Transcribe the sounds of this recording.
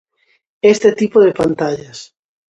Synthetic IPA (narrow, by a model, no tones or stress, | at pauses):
est̪et̪ipoðepant̪aʎas